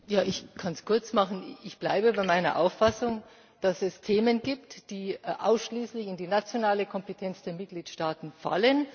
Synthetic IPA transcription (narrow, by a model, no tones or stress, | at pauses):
jaːʔɪçkʰanskʰʊɐt͡smaχn̩ɪçb̥laɪbəbaɪmaɪnɐ̰ʔa̰ʊfasʊŋ | d̥asɛstʰeːmənɡiːp̚td̥iːʔa̰ʊsʃliːslɪçɪndiːnat͡sjonaːləkʰɔmpetʰɛnt͡sd̥eːɐmɪt̚ɡ̥liːtʃtaːtn̩fa̰lən